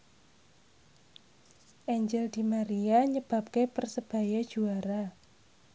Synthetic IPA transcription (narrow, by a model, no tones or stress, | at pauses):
ʔɛɲd͡ʒɛld̪̥i̤maɾiaɲəb̥a̤p̚kepərsəb̥a̤jad̥ʒ̥uaɾa